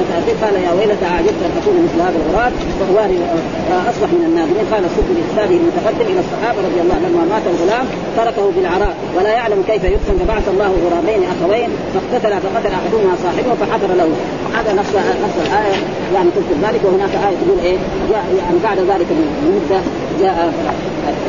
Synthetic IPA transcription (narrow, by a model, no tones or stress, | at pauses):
ant̪ʔaiːqɑːlajawaʔɪlːat̪aʕad͡ʒab̚t̪ʔanʔakuːnmɪθlhaːðalʕʊɾˤɑːb̪̚ | wawaːɾi | ʔɑsˤbɑħmɪnanːaːðɪiːnqɑːlasˤʊt̪ːliʔt̪saːbɪhilmʊt̪aqɑd̪ːimʔɪlaɑsˤːɑħɑːbaɾˤɑd̪ˤjɑlˤːɑːlamːamaːt̪alɣʊlaːm | t̪ɑɾˤɑkahubilʕɑɾˤɑːʔwalajaʕlamkejfajʊɡant̪abaʕaθɑlˤːɑːhalʕʊɾˤɑːbeːniʔaxaweːn | faɡt̪at̪alafaqɑt̪alaħadumhasˤɑːħɪbhufaħɑt̪ɑɾˤɑlahu | haːd̪ðanɑfanɑsˤlalʔaːja | jaʕnit̪ʊkulðaːlɪkwɪhinaːkʔaːjat̪aɡuːlʔeː | d͡ʒaːʔjaʕnibaʕd̪aðaːlɪkallmʊd̪ːa | d͡ʒaːʔa